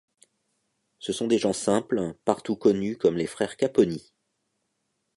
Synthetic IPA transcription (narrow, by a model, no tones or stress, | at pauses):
səsɔ̃d̪eʒɑ̃sɛ̃plpaʁt̪ukɔnykɔmlefχɛʁkapɔni